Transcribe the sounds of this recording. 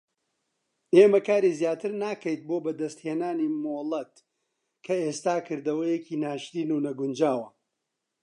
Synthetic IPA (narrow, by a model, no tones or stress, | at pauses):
eːmɐkaːɾiːzjaːt̪ʰɨɾnaːkɐjt̪̚bobɐd̪ɐst̪heːnaːniːmoːlˠɐt̪ | kʰɐeːst̪aːkɨɾd̪ɐwɐjeciːnaːʃɾiːnuːnɐɡʊnd͡ʒaːwɐ